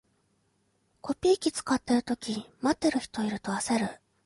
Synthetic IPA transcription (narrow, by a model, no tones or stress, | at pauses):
ko̞pʲiːkʲit͡sɨ̥kat̪ːe̞ɾɯ̟t̪o̞kʲimat̪ːe̞ɾɯ̟çi̥t̪o̞iɾɯ̟t̪o̞ase̞ɾɯ̟